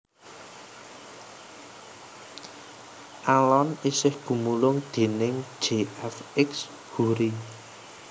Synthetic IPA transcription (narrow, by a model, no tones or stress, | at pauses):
ʔalɔnisɪhɡ̥ṳmulʊŋd̪̥e̤nɪŋ̥ʒ̥eɛfɪks | ɡ̥ṳɾi